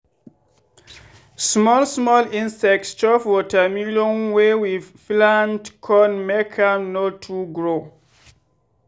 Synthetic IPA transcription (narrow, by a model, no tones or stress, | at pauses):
smɔlsmɔlĩnsɛk̚tst͡ʃɔfwɔtəmiljɔ̃nwewið̥flãndkʰɔnmɛkʰanotʰuɡɹo